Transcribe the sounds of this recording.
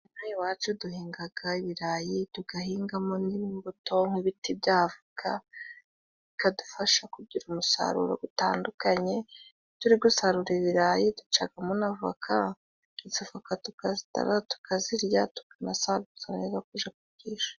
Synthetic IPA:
najiwaːt͡ʃuduhiːŋɡaɡ̥aiβiɾajituɡ̥ahiːŋɡamoniβimboto̞ŋ̥uβitibjaːvukʰa | ikadufaʃakuɟiɾumusa̰ɾṵɾo̰ɡutaːndukaɲe̞ | tuɾiɡusaɾuɾeβiɾajidut͡ʃaɡamonavakʰa | izavakatukazta̰ɾatu̥kʰaziɾjatu̥kanasaɾuzanezakuʒakuɡiːʃḁ

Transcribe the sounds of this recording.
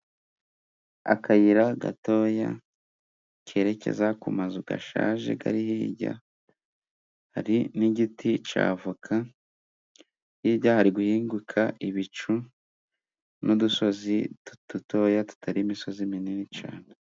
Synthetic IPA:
a̰kʰajiɾaɡa̰to̞ːja̰ | cʰe̞ːɾe̞ce̞̰zakumazuɡa̰ʃa̰ːʒe̞̰ɡa̰ɾihiḭɟa̰ | ha̰ɾiniɟitʰit͡ʃa̰ːvukʰa | hiɟahaɾiɡuhiːŋɡukʰaʔiβit͡ʃu | nuduso̞zitud̥uto̞jatu̥tʰaɾiːmiso̞zimininit͡ʃa̰ːne

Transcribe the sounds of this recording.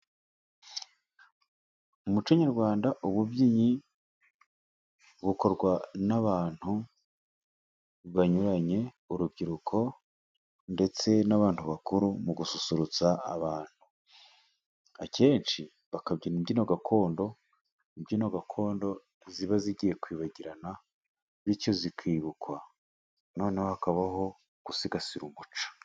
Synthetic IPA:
umut͡ʃaɲaɾɡwaːndaʔuβubɟiɲi | βuko̞ɾɡwanaβaːn̥hu | βaɲuɾaɲe̞ | uɾubɡiɾukʰo̞ | nde̞t͡se̞naβaːn̥huβakuɾumuɡususuɾut͡saːβaːn̥hu | akʰe̞ːnʃi | βakabɟinibdino̞ɡakʰo̞ːndo̞ | nibɟino̞ɡakʰo̞ːndo̞ | ziβaziɟije̞kwiːβaɟiɾana | βico̞zikʰiːβukʰwa | no̞ːne̞hohakaβaɦo̞ | ɡ̥usiɡasiɾumut͡ʃḁ

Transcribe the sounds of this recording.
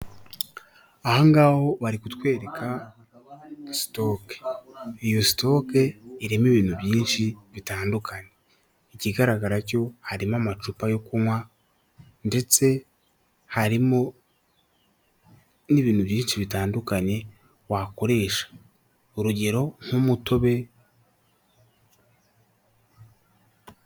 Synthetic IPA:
ahoŋɡaːho̞βaɾikutwe̞ːɾe̞kʰa | si̥to̞ke̥ijosi̥to̞keiɾemeβiːnhuβjiːnʃiβitaːndukʰaɲe̞ | iciɡaɾaɡaɾaco̞haɾimamat͡ʃupajo̞kumwa | nde̞t͡se̞ | haɾimo̞ | niβiːn̥huβjiːnʃiβitaːndukaɲe̞ | wako̞ɾe̞ːʃḁ | uɾuɟe̞ɾo̞ŋ̥umuto̞βe̞

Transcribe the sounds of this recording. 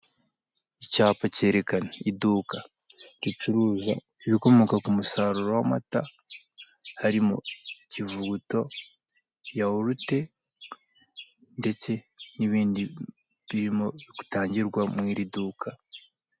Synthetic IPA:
icaːpace̞ːɾe̞kanaiduːka | ɾit͡ʃuɾuːza̰ | eβiko̞mo̞kakumusaːɾuɾowama̰ta | haɾimo̰civuɡuto̞ | jawoɾute̞ | nde̞t͡se̞niβiːndi | βiɾimo̞βiku̥taːɲɟiɾɡwamwiːɾiduːkʰa

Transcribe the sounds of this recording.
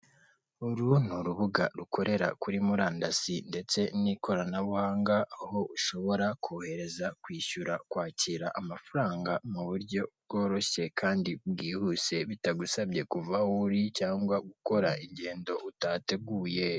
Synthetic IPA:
uɾunuɾuβuɡaɾukʰo̞ɾe̞ɾa̰kuɾimuɾaːndasinde̞t͡se̞nikʰo̞ɾanawaːŋɡahohouʃo̞βo̞ɾakʰohe̞ɾe̞zakwiːʃuɾakwaːciɾaʔamafuɾaːŋɡamuβuɾɟo̞bɡo̞ːɾo̞ɕe̞kʰaːndibɡiːhuse̞βitaɡusabɟe̞kuvauɾicaːŋɡwaɡuko̞ɾaiɲɟe̞ːndo̞ʔutate̞ɡuːje

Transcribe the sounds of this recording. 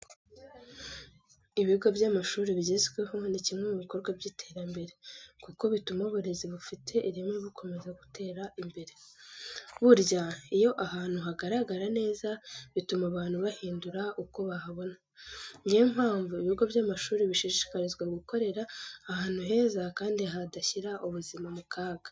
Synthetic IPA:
iβiβuɡabjamaʃuːɾiβiɟezɡwe̞ɦo̞nicimŋe̞muβiko̞ɾɡwabɟiːtʰe̞ːɾambe̞ɾe̞kuko̞βitumaβuɾe̞ziβufitʰe̞ʔiɾimiβukʰo̞me̞zaɡutʰe̞ːɾaimbe̞ɾe̞ | βuɾɟaijo̞ʔaɦaːn̥uɦaɡaɾaɡaɾane̞ːzaβitumaβaːn̥huβahiːnduɾaʔuko̞βahaβo̞na | ɲɡiem̥haːɱvuiβiuɡaβjaːmaʃuːɾiβiʃiʃʃi̥kaɾizɡwaɡuko̞ɾe̞ɾaːhaːn̥huɦe̞ːzakaːndiɦadaçiɾaʔuβuzimamukʰaːɡa

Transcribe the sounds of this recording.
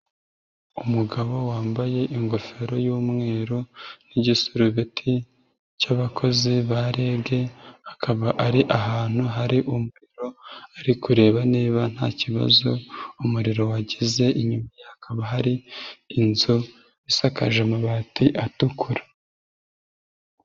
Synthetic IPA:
umuɡaβo̞waːmbaje̞ʔiŋɡo̞fe̞ɾo̞juːmŋe̞ːɾoniɟisuɾuβitʰi | caβakʰo̞ziβaɾe̞ːbɡe̞akʰaβaʔaɾiʔaɦaːn̥huɦaɾiʔumuɾiɾo̞aɾikuɾe̞ːβaneːβan̥ha̰ːciβa̰zo̞umuɾiɾo̞waɟize̞ʔiɲumajahakʰaβaɦaɾiːnzo | isakaʒemaβaːtiʔatukʰuɾḁ

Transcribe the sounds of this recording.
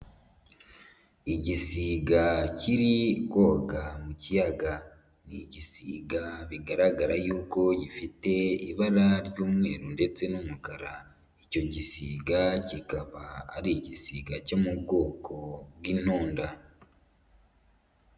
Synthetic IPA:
iɟisiːɡaciɾiko̞ɡamucijaɡa | niɟisiːɡaβiɡaɾaɡaɾajuːko̞ɟifite̞iβaɾaɾɟoːmwe̞ːɾunde̞t͡se̞nomukaɾa | ico̞ɟisiːɡacikaβa̰ːɾiɟisiːɡacomuɡo̞ːkʰo̞ɡwiːnoːnda

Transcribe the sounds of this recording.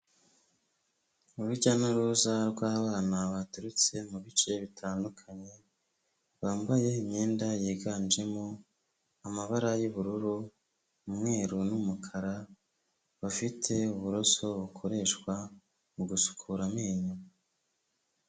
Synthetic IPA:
uɾuɾɟanuɾuzaɾɡwaːβaːnaβatuɾut͡se̞muβit͡ʃe̞βitʰaːndukʰaɲe̞ | βaːmbaje̞imɲe̞ːndajeːɡaːnd͡ʒe̞mo | amaβaɾajuβuɾuɾu | umŋe̞ːɾunumukʰaɾa | βafitʰe̞uβuɾo̞so̞βukʰo̞ɾe̞ʃkwa | uɡusu̥kʰuɾameːɲo

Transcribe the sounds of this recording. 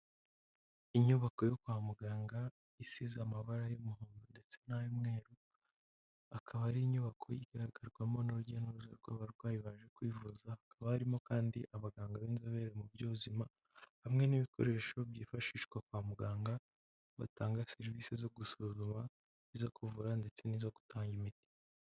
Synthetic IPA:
iɲuβako̞jokwaːmuɡaːŋɡa | isizamaβaɾajomuɦuːnɡunde̞t͡se̞najomŋe̞ːɾu | akʰaβaɾiiɲuβakʰo̞jiɡ̥aɾaɡaɾɡwamo̞noɾuɟanuɾuzaɾɡaβaɾɡwaːjiβaːʒe̞kwiːvuzaakaβahaɾimo̞kaːndiʔaβaɡaːŋɡaβiːnzaβe̞ɾemubɟuːβuzima | hamŋe̞niβikʰo̞̰ɾe̞ːʃo̞bjiːfaʃiːʃɡwakwaːmuɡaːŋɡa | βa̰taːŋɡaseɾviːsezo̞ɡusuzuma | izokuvuɾande̞t͡se̞niːzoɡu̥tʰaːŋɡimiti̥

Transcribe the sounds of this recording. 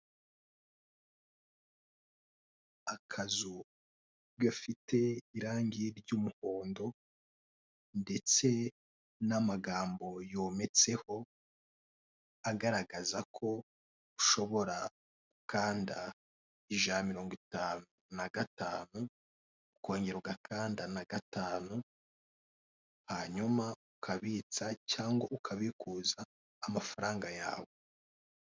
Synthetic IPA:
akʰazu | ɡafitʰe̞iɾaːŋɡiɾɟuːmuhoːndo̞ | nde̞t͡se̞ | namaɡaːmbo̞jo̞ːme̞t͡se̞ho̞ | aɡaɾaɡazakʰo̞ | uʃo̞βo̞ɾa | ukʰaːnda | iʒamiɾo̞ːŋɡwitaːnunaɡataːnu | uko̞ːɲɟeɾoɡakʰaːndanaɡataːnu | haɲumaukʰaβiːt͡sacaːŋɡoʔukʰaβikuːzaː | mafaɾaːŋɡaja̰ːβo

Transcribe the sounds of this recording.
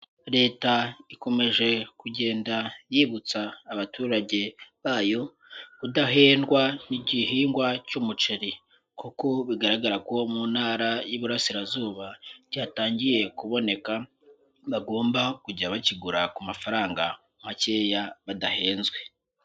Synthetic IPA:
ɾe̞ːtaiko̞me̞ʒe̞kuɟe̞ːndajiːβut͡saːβatuːɾaɟe̞βaːjo̞ | βudaɦe̞ːnɡwaniɟihiːŋɡwacumut͡ʃeɾi | kuko̞βiɡaɾaɡaɾakuomuːnhaːɾajuβuɾasiɾazuːβaɾɟaːtaːɲɟije̞kuβo̞ne̞ka | βaɡo̞ːmbakuɟaβaciɡuɾakumafaɾaːŋɡa | umace̞ːjaβadahe̞ːnzɡwe̞

